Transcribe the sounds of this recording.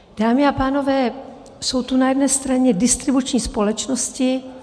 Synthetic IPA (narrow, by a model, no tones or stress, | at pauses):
d̥aːmɪapaːno̞vɛː | so̞wt̪unajɛdnɛːst̪ɾaɲɛdɪst̪ɾɪbut͡ʃɲiːspo̞lɛt͡ʃno̞scɪ